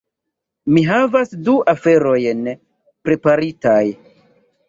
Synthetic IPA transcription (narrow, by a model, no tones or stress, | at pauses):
miɦavasduʔafe̞ɾo̞jn | pɾe̞paɾitaj